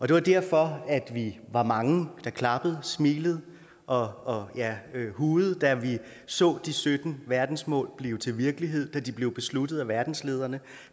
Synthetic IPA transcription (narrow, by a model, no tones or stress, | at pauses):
ʔɒ̽d̥e̝ʋɑ̈d̥æɐ̰fɒ̽æd̥ʋiʋɑ̈mɑ̈ŋəd̥ɑ̈kʰlɑ̈b̥əð̞̩ˠsmḭːləð̞̩ˠ | ʔɒ̽jæhuːð̩ˠd̥æʋi | sɔ̰̽ːd̥isød̥n̩ʋæɐd̥n̩smɔ̰̽ːlb̥le̝ʊt͡sʰe̝lʋiɐɡ̥əliɦe̝ð̞̰ˠd̥æd̥ib̥le̝ʊb̥e̝slud̥ð̞̩ˠæʋæɐd̥n̩sle̝ːð̞ˠɐnə